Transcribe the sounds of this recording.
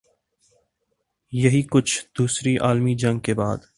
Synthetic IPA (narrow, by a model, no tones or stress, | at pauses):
jɐɦikʊt͡ʃʰd̪̥uːsɾiʔaːlmid͡ʒɐ̃ŋɡ̚kebaːd̪